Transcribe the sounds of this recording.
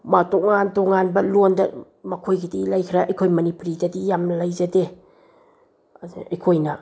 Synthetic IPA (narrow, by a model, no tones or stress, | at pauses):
matoŋantoŋanbɐlondɐ | mɐkʰojɡidilajkʰiɾaʔɐjkʰojmɐnipuɾidɐdijamnɐlajzɐde | ɐjkʰojnɐ